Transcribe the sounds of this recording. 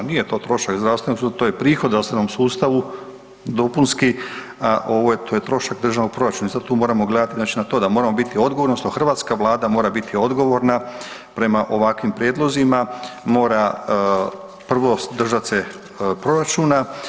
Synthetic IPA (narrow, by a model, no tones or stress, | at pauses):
nijet̪o̞ːt̪ɾo̞ʃakzd̪ɾasʋe̞noksut̪ojepɾiːxo̞d̪ɾast̪ʋenomsuːst̪aʋu | d̪o̞punski | aʔo̞ʋojet̪ʰojet̪ɾo̞ʃakd̪r̩ʒanoɡ̚pɾo̞ɾat͡ʃunaisad̪̚t̪uːmo̞ːɾamo̞ɡle̞d̪at̪iznat͡ʃinat̪od̪amoɾamo̞bit̪io̞d̪ɡo̞ʋoɾnost̪oxrʋaːt̪skaʋlˠaːd̪amo̞ːɾabit̪ʰio̞d̪ɡo̞ʋo̞ɾna | pɾe̞maʔo̞ʋakʋimpɾjed̪lˠo̞zimamo̞ːɾa | pr̩ʋo̞sd̪r̩ʒat̪se | pɾo̞ɾat͡ʃuna